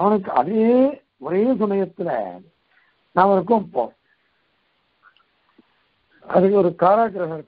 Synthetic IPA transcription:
ɐʋɐnɯk̬ːɯɐ̰ðeː | ɔɾeːs̬ʊmɐjɐt̪ːɪlɛ̰ | naːʋɐnɯk̬ːʊ̃mpo̰ː | ɐ̰ðɯkːɯɔɾɯkaːɾaːkɪɾɐɦɐ

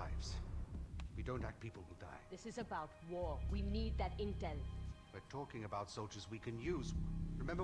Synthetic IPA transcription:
ɪvz̥ | widõʊ̃ntæk̚pʰipl̩ˠhda̰ɪðɪsɨzɨbaʊt̚wɔɹwinid̪̚ðɨtɪ̃ntɛlˠwɨtʰɔkɪ̃ŋɨbaʊtsoʊlˠd͡ʒəzwikʰɨ̃njʉzɹɨmɛ̃mbə

